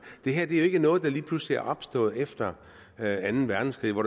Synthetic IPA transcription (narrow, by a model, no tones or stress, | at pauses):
d̥e̝ɦæɐd̥e̝æjoe̝ɡ̥ənɔ̽ːð̞̩ˠd̥ɑ̈liːpʰlusliæɐʔɒ̽b̥sd̥ɔ̰̽ːð̩ˠefd̥ɐ | ænn̩ʋæɐd̥n̩skʰʁḭːʋɒɾ